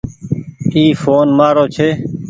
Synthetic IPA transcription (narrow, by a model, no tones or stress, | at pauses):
iːfoːnmaːɾoːt͡ʃʰeː